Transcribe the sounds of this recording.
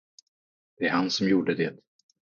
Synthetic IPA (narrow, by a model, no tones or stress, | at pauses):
d̪̥ɛæɾhansɔmjuːɖəd̪eːt̪